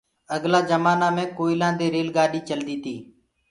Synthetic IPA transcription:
əɠlaːd͡ʒəmaːnãːmẽːkoːɪlãːd̪eːɾeːlɡaːɗiːt͡ʃəld̪iːt̪ʰiː

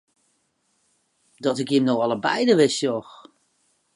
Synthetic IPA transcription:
dɔtɪkjɪmnowɑlˠəbɛ̰jdəʋɪsjɔx

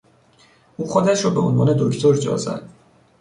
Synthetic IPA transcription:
ʔuːxod̪æʃɾɔːbeonvɒ̰ːne̞d̪oct̪ʰoɾd͡ʒɒ̰ːzæ̰d̪̥

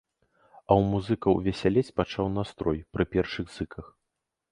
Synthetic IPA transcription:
ɐwmuzɨkɐwvʲɛsʲalʲɛt͡sʲpat͡ʂawnast̪ɾɔjpɾɨpʲɛrʂɨɣzɨkʰɐx

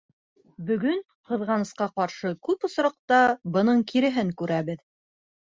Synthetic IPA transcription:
bɵ̆ɡɵn | qɤ̆ðʁɑnɤ̆sqɑqɑɾʃɤkʉpŏsɾɑq̚t̪ɑbɤ̆nɤɴkʰiɾɘ̆ɦɘŋkʉɾæβɘð

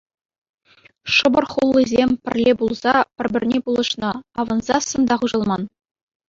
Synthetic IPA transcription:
ʂɤ̆bɤ̆rχulˠːizʲemʲpʲɘ̆rʲlʲebulˠzɑpʲɘ̆rʲbʲɘ̆rʲnʲebulˠɤ̆ʃnɤ̆ɑʋɤ̆nzɑsɤ̆nd̪ɑχuʑɤ̆lˠmɑn

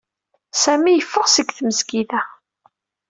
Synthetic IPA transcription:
sæmijəfːəʁsəɡθməzkiðæ

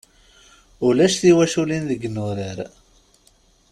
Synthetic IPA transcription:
ʊlæʃθiwæʃulinðəɡːnʊɾəɾ

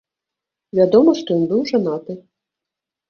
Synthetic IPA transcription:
vʲad̪ɔmɐʂt̪ɔjɔnbɨwʐanat̪ɨ

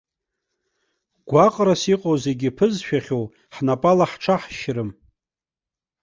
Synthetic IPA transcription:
ɡ̥ʷaqʼrasiqʼowze̞ɡʲɪpʰɨzʃᶣaχʲow | ħnapʼalaħʈ͡ʂʰaħʃɾɨm

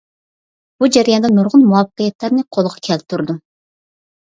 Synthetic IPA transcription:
b̥ud͡ʒæɾjɑnd̪ɛnuɾʁʊnmuwɑpːəqəjɛt̪læɾnɪqʰolˠʁɑkʲʰɛl̚t̪ʰːuɾd̪um

